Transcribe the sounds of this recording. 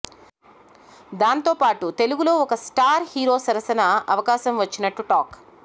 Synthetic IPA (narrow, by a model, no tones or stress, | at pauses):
d̪aːnt̪o̞ːpaːʈut̪e̞luɡulo̞ːɔkɐsʈaːɾhiːɾo̞ːsɐɾɐsɐnɐɐʋɐkaːʃɐmʋɐt͡ʃːinɐʈːuʈaːk